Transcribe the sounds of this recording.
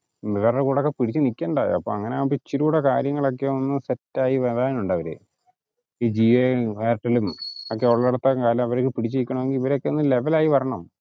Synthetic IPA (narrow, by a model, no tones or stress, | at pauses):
miʋɐrːɐkuːɽeokːe̞piɽit͡ɕːɨnikʲːeːɳɖa̰ːj̰ɐ̰pːo̰ːɐŋːɐneaːpit͡ɕːiɾuːɽekaːɾjɐŋːɐɭo̞k̬ːeonːɨsetːaːjiʋɐɾaːnuɳɖɐʋɐɾḛ | iːd͡ʑieʋeːɾʈːɐlumokːe̞oɭːɐɽɐt̪ːɐkaːlɐmɐʋɐɾokːɨpiɽit͡ɕːiikʲːuɳɐmeŋɡiliʋɐɾeokːe̞onːɨle̞ʋɐlaːjiʋɐrɐɳɐm